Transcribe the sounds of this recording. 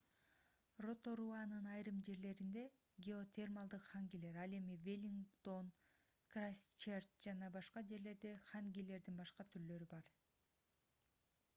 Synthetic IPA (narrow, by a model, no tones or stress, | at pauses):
ro̞t̪o̞ɾuanɯnɑjɾɯmd͡ʒe̞ɾle̞ɾind̪e̞ | ɡʲeo̞t̪ʲʰermalˠd̪ɯqχaŋɡʲile̞ɾɑlˠe̞mivʲelʲiŋɡt̪o̞n | krasʲt͡ʃert̪d͡ʒɑnɑbɑʃqɑd͡ʒe̞ɾle̞ɾd̪e̞χaŋɡʲile̞ɾd̪inbɑʃqɑt̪ʰyɾlø̞ɾybɑɾ